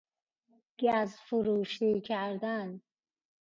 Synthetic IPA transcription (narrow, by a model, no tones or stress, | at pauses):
ɡ̥æzfuɾuːʃikʰæɾd̪an